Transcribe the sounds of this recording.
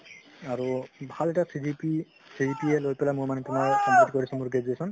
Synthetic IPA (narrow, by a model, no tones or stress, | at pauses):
aɹubʱalɛtasidipi | sidipielojpɛlamuɹmanitunawkɔmitkoɹisʰɛmuɹɡed͡ʒɹesɔn